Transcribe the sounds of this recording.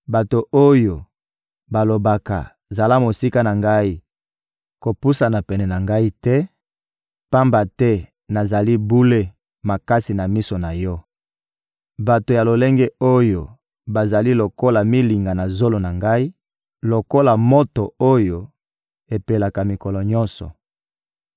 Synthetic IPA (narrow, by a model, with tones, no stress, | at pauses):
ba˨to˨ʔo˦jo˨ | ba˨lo˨ba˨ka̰˨ | za˨la˦mo˨si˦ka˦na˨ŋɡa˦i˦ | ko˨pu˦sa˨na˨pɛ˨nɛ˨na˨ŋɡa˦i˦tɛ˦ | pa˦mba˨tɛ˦ | na˨za˨li˦bu˦le˦ | ma˨ka˦si˨na˨mi˦so˨na˨jɔ˦ | ba˨to˨ja˨lo˨le˦ŋɡɛ˦o˦jo˨ | ba˨za˨li˦lo˨ko˦la˨mi˦li˨ŋɡa˨na˨zo˦lo˨na˨ŋɡa˦i˦ | lo˨ko˦la˨mo˦to˨o˦jo˨ | e˨pe˨la˨ka˨mi˨kɔ˨lɔ˨ɲɔ̃˦nsɔ̰˨